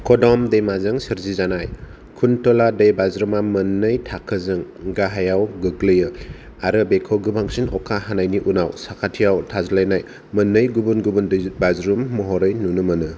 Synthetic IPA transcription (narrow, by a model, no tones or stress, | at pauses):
kʰɔdɔmdejmazɯŋsɯɾzizanaj | kʰuntɔladejbazɾumamɐnːɯjtʰakʰɯzɯŋ | ɡaɦajawɡɯklɯjɯ | aɾɯbekʰoɡɯbʱaŋsinɔkʰaɦanajniʔunawsakʰatʰijawtʰazlajnaj | mɯnːɯjɡubunɡubundbazɾumːɔɦɔɾɯjnunɯmɐnɯ